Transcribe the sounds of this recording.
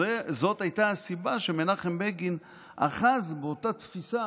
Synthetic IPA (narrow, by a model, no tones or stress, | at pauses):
ezo̞thajtaasibaʃemenaχembeɡin | ʔa̰χazbeotatfisa